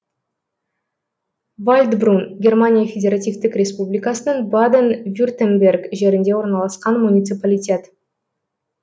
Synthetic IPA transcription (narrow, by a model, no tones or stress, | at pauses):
volʲd̪brunɡʲe̞rmanʲijafʲedʲeɾat̪ʲijft̪ɪkrʲe̞spublʲijkɑsənəɴbad̪envʲurt̪ʲembʲe̞rɡʒe̞ɾɪnd̪e̞wo̞ɾnɑlˠɑsqɑnmunʲit̪sɨpalʲijtʲe̞t̪